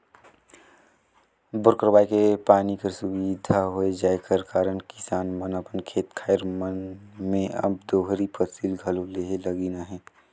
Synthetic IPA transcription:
bʊɾkəɾbaːjkepaːnikəɾsʊbid̪ʱaɦoed͡ʒaːekʰəɾkaːɾənkɪ̥saːnmənəpənkʰeːt̪kʰaːeɾmənmẽɐ̰b̚d̪oːɦɾipʰəsiːlɡʱəloleɦeləɡiːnaɦɛ̃ː

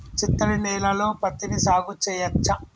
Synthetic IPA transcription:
t͡ʃit̪ːɐɽinɛːlɐlo̞ːpɐt̪ːinisaːɡut͡ʃːɛːjɐt͡ʃːɐ

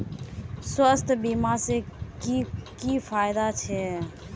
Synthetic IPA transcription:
swəst̪ʰbimasekikipʰajd̪at͡ʃʰɛ

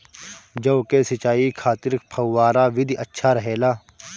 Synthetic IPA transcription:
d͡ʒɐkesɪt͡ʃaːikʰaːt̪ɪɾk̚pʰɐwːaːɾaʋɪd̪ʱiɐtːʃʰaɾɐɦeːlaː

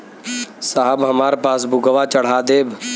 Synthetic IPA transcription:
saɦəbɦəmaːɾepaːs̬bʊɡəʋaːt͡ʃəɽ̤aːd̪eːb

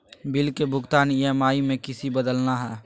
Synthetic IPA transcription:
bɪlkebʱʊɡt̪aːnijɛmaːimẽkɪsibəd̪əlnaɦɛː

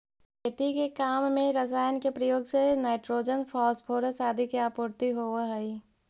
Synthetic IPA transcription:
ket̪ikekaːmːẽɾɐs̬aːjənkepɾəjoːɡsenaːɪʈɾoːd͡ʒənpʰɔːspʰoːɾəsaːd̪ʱikeapʊːɾt̪iɦoːʋaɦɐi

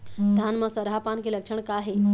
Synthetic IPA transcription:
d̪ʱanməsəɾɦapankeləkʂəɳ̃kaɦe

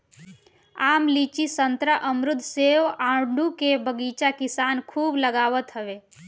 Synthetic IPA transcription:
aːmlit͡ʃisənt̪ɾaʔəmɾʊd̪ʱseʋaːɳɖukebəɡiːt͡ʃakɪsaːnkʰuːbləɡaːʋət̪ɦəʋe

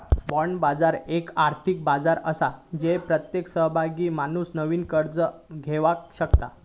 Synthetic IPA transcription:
bɔɳbad͡zaɾekaɾt̪ʰik̚bad͡zaɾə̰sad͡ʑepɾət̪jeksəɦbʱaɡiːmanuːsnəʋiːnkəɾd͡zəɡʱeʋakɕəkt̪a̰

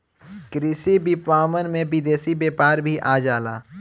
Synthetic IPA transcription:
kɾɪsibɪpʋaːʋənmẽbɪd̪eːsibeːpaːɾbʱiʔaːd͡ʒaːla̰ː

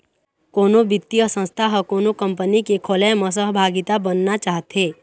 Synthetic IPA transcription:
koːnobɪt̪ːijəsə̃nst̪ʰaɦəkoːnokə̃mpənikekʰolɛməs̬əɦbʱaːɡɪt̪abənːat͡ʃaːɦt̪eː

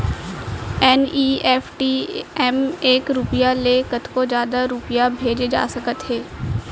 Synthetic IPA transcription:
ɛːniːɛːfʈiːɛmeːkɾʊpɪjaleːkət̪kod͡ʒjaːd̪aɾʊpɪjabʱeːd͡ʒed͡ʒa̰ːsɐkət̪ɦeː

